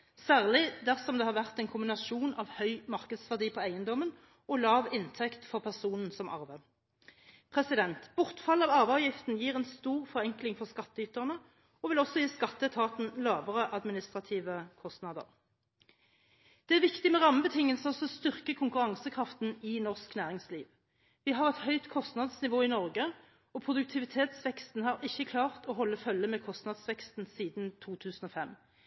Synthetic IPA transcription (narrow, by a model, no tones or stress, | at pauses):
sæːʁlɪd̪æʁsɔmd̪ɛhɑːʁʋæʁt̪ɛɪnkʰʊmbɪnɑʃuːnʔɑʋhœʏmɑʁkəd̪sʋæʁd̪iːpʰɔːæɪənd̪ɔmən | ɔlɑːʋɪnt̪ʰɛkt̪fɔʁpʰæʁsuːnn̩sɔmʔɑ̰ʁʋə | pʰʁɛsɪd̪ɛnt̪b̥ʊʁt̪fɑlːɑːʋɑʁʋɑʋjɪft̪n̩jiːʁɛnst̪uːʁfɔʁɛŋklɪŋfɔʁskɑt̪ːəyːt̪əʁnə | ɔʋɪlɔsɔjiːskɑt̪ːət̪ʰɑːt̪n̩lɑːʋəʁəʔɑd̪mɪnɪst̪ʁɑt̪ʰiːʋəkʰɔst̪nɑd̪ə̰ʁ | d̪̥ɛæʁʋɪkt̪ɪmɛʁɑməbət̪ʰɪŋːəlsəɔsɔɔst̪ʏʁkəkʰʊŋkʉʁɑŋsəkʰʁɑft̪nɪnɔʁsknæːʁɪŋsliːʋ | ʋɪɦɑʁɛt̪hœʏt̪kʰɔst̪nɑd̪snɪʋoːɪnɔʁɡə | ɔpʰʁʊd̪ʉk̚t̪ʰɪʋɪt̪ʰeːt̪sʋɛkst̪n̩hɑʁɪçːəkʰlɑːʁt̪ɔːɦɔlːəfœlːəmɛːkʰɔst̪nɑd̪sʋɛkst̪n̩siːd̪nt̪ʰuːt̪ʰʉːsn̩ɔːfɛm